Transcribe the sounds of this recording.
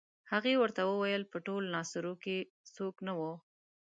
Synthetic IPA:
haɣewəɾt̪awəwajəlpəʈolnɑsʊɾoke | soknawo

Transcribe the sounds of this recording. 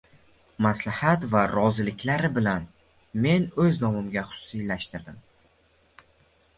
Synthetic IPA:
maslahat̪vaɾɒzɪlɪkʲlaɾɪbɪlan | me̞nɵznɒmɪmɡʲaχʊ̥sʊ̥sijlaʃt̪ɪɾd̪ɪm

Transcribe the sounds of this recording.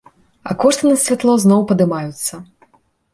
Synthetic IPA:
ɐ̰kɔʂt̪ɨnɐsʲvʲat̪lˠɔznɔwpɐd̪ɨmajut̪sːɐ

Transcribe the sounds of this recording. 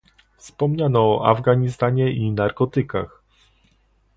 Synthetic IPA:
fspɔmɲanɔːʔa̰vɡaɲist̪aɲɛʔinaɾkɔt̪ɘka̰x

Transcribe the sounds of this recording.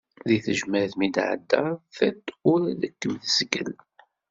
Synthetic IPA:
ðiθəʒmæðmid̪ʕə̰d̪ːəθæt̪ːʊɾæðəkːəmðəsɡə̰l

